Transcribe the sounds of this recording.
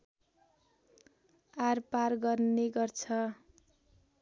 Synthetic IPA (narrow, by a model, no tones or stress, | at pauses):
arparɡʌrneɡʌrt͡sʰʌ